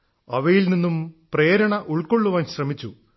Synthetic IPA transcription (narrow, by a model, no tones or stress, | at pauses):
ɐʋɐjilninːumpre̞ːɾɐɳɐʔuɭkːo̞ɭːuʋaːnɕrɐmit͡ɕːu